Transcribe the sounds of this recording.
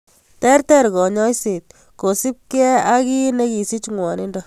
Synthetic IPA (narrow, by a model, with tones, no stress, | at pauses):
tɛ˦ɾtɛ˦ɾkɔ˨ɲɔ˦jse˨t̪̚ | ko˨si˦p̚kɛ˦a˦ki˦ne˦ki˨si˦t͡ʃŋwɔ˨ni˦ndo